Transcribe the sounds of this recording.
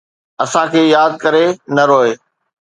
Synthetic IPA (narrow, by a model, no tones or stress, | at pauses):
ɐsãkʰeːjaːd̪̚kɐɾenɐɾoːɦeː